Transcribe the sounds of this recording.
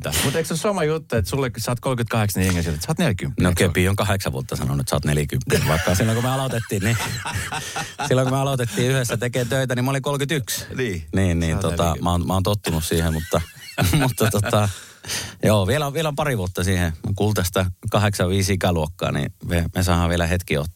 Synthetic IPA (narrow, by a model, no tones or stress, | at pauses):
mut̪eiksosomɑjut̪ːuet̪sulːeksɑːt̪̚kolkyt̪̚kɑheksɑniŋɡesitet̪sɑt̪nelkympːnokepiːoŋkɑheksɑʋṵot̪ːɑsɑnonuet̪sɑ̰ːt̪neljækympːiʋɑikːɑsilːoŋkumeɑlot̪et̪ːiːnni | silːoŋkumeɑlot̪et̪ːiːyhesːæt̪ekeːt̪øit̪ænimoliŋkolkyt̪yksniːnniːnot̪ɑmæoːnmæoːnt̪ot̪ːunussiːhemut̪ːɑ | mut̪ːɑt̪ot̪ɑ | joːʋielæʋielæompɑriʋuot̪ːɑsiːhekuːlt̪ɑst̪ækɑheksɑʋʋiːsikæluokːɑ̰ːnḭmemesɑihɑʋielæhet̪kio̰t̪ː